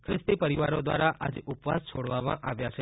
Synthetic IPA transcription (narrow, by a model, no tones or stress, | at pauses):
kʰɾɪst̪ipəɾiʋaɾod̪ʋa̰ɾaad͡ʒeʔupʋa̰st͡ʃʰoɽʋamã̰ʔaʋjat͡ʃʰe